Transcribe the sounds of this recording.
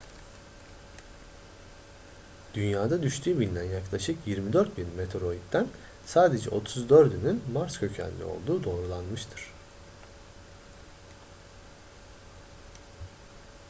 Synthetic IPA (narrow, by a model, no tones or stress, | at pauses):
d̪̥ynjaːd̪ad̪yʃt̪ʰyːbinʲːænjaklˠaʃɯkjiɾmid̪øɾt̪̚binmet̪ʰɾo̞it̪d̪ːæn | saːd̪e̞d͡ʒɛ̰ʔo̞t̪ʰuzd̪øɾd̪ynynmaɾscʰø̞cʰæ̰nʲːḭo̞̰lˠd̪uːd̪o̞ːɾulˠanmɯʃt̪ʰɯɾ̥